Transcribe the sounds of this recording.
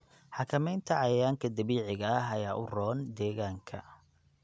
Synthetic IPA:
ħɑkʰɐmɛjnt̪ʰɐʕɑjɐjaːŋkʰɐd̪ɐβiːʕɪɣɐɦɐjaːʔʊrɔːnd̪ɛːɣaːŋkʰɐ̰

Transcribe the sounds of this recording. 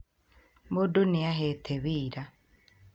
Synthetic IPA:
moduniaɦetʰeβiːɾa

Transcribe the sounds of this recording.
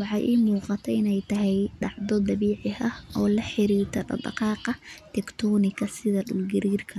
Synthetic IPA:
wɑħɑjʔiːmuːqɑt̪ʰɛɪnɛjt̪ʰɐɦɛjɖɑʕd̪ɔd̪ɑβiːʕɪɐhʔɔːlɐħɪɾiːrt̪ʰɐdɑ̰d̪ɑ̰qɑːqɑt̪ʰɛkt̪ʰɔːnɪkʰɐsɪðɐɗʊlɡɪɾiːrkʰɐ

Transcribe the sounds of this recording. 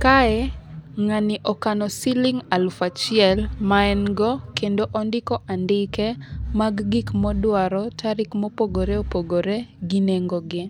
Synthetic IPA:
kaɛŋanɪʔɔkanɔsilɪŋalfat͡ʃɪɛlmaɛnɡɔkendoʔɔndɪkɔʔandɪkɛmaɡɡikmɔdwaɾɔtaɾɪkmɔpoɡoɾeopoɡoɾeɡineŋɡoɡɪ

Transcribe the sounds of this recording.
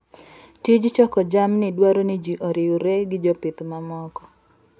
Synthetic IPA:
tid͡ʒt͡ʃɔkɔd͡ʒamnɪdwaɾonɪd͡ʒiʔɔɾɪuɾeɡɪd͡ʒɔpɪt̪mamɔkɔ̥

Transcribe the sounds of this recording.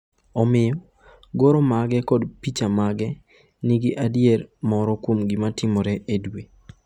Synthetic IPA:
ɔmɪjɔ | ɡoɾomaɡɛkɔdpit͡ʃamaɡɛ | niɡiʔadjeɾmɔɾɔkwomɡɪmatɪmɔɾɛʔedwe

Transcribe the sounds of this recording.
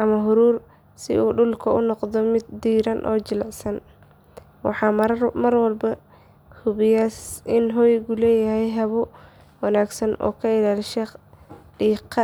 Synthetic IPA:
ʔɐmɐɦʊɾuːr | sɪ̰ʔuːɖʊlkʰɐʊnɔqd̪ɔmɪd̪ːiːɾɐnʔɔ̰ːt͡ʃɪlʕsɐn | wɑ̰ħɑːmmɐrwɐlbɐ | hʊβɪjasɪnɦɔːjɣʊlɛːjɐɦɛjɦɐβʊ | wɑnaːɡsɐnɔ̰ːkʰɐɪlaːlʃɛ | ɖiːqʰɑ

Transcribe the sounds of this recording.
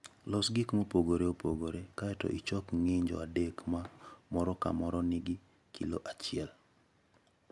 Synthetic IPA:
lɔsɡɪkmopoɡoɾeopoɡoɾekaɛtɔ̰ʔit͡ʃɔkŋɪɲd͡ʒɔ̰adekmamɔɾɔka̰mɔɾɔnɪɡɪ | kʰḭlo̰ʔat͡ʃɪɛl

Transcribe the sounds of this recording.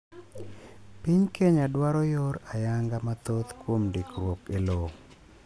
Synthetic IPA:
piɲkeɲadwaɾɔjoɾajaŋɡamat̪ot̪kwomdikɾwokelo

